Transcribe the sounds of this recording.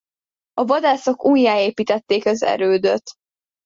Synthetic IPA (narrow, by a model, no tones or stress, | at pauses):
ɒvɒd̪aːso̞kuːjːaːeːpiːt̪ɛt̪ːeːkɒzɛ̰ɾøːd̪øt̪